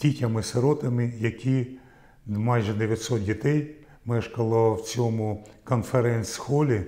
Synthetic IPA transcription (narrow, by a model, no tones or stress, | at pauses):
tʲitʲɐmɪseɾɔt̪ɐmɪjɐkʲi | mɑjʒɛd̪eʋʲjɐt̪ʲsɔt̪̚dʲit̪ɛj | mɛʃkɐlˠɔwt͡sʲɔmʊkɔnfeɾɛnʲsʲsxɔlʲi